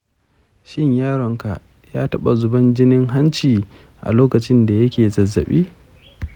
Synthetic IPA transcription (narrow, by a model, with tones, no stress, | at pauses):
ʃɪ˦ɲjaː˦ɽɔ˨ŋka˨ʔ | jaː˦tɐ˦ɓa˨zʊ˨bɐ˦nd͡ʒɪ˦nɪ˦ŋɦa˦nt͡ʃiː˨ | ʔa̰˨loː˦kɐ˨t͡ʃɪ˦nda˨jɐ˦kʲeː˨zɐ˨zːɐ̰˨ɓḭː˦